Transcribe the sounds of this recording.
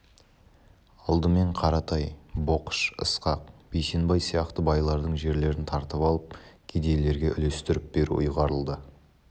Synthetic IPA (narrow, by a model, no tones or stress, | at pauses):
ɑlˠd̪əme̞ɴqʰɑɾɑt̪ʰɑjbo̞qə̥ʃə̰sqɑq̚b̥ejse̞nbɑjsijɑqt̪əbɑjlˠɑɾd̪əɴʒe̞ɾle̞ɾɪnt̪ʰɑɾt̪əpɑlˠəp̚kʲʰed̪e̞jle̞ɾɡʲe̞ʔʏle̞st̪ɪɾɪp̚beɾṵʔʊ̰jʁɑɾəlˠd̪ə